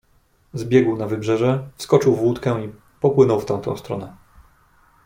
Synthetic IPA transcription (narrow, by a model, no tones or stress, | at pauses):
zbʲjɛɡwnavɘbʐɛʐɛfskɔt͡ʂɘwvwut̪kɛi | pɔpwɘnɔwft̪ɛ̃w̃t̪ɔ̰̃st̪ɾɔ̰nɛ